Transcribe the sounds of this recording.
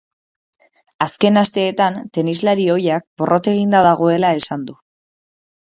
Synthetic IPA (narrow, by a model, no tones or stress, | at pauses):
aske̞nast̪e̞ːt̪ant̪e̞nizlaɾio̞jak̚bo̞rʔo̞t̪e̞ɣ̞ind̪aðaɣ̞o̞e̞lae̞sand̪u